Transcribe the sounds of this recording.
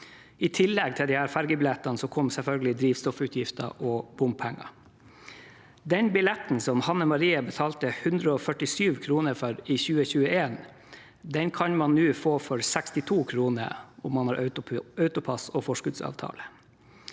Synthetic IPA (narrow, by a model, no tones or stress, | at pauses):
ɪt̪ʰɪlːɛɡ̚t̪ʰɪld̪ɪhæːɾfæɾɡəbɪlɛt̪ːɑnəsɔkʰɔmsɛlfœlɡəlɪd̪ɾiːʋst̪ɔfʉːt̪ʰjɪft̪ə̰ʔɔb̥ʊmpʰæŋːɑ̰ | d̪ɛnbɪlɛt̪n̩sɔmhɑnːəmɑɾiːəbət̪ʰɑːlt̪əhʉnd̪ɾəɔfœʈɪsyːʋkʰɾuːnəɾfœɾɪçʉːəçʉːəeːn | d̪ɛnkʰɑnmɑnːʉːfoːfɔɾsækst̪ɪt̪ʰuːkʰɾuːnə̰ɾɔmːɑnhɑːɾʔœʉt̪ʊpʰɑsɔfɔʂkʉd̪sɑ̰ːʋt̪ʰɑ̰ːlə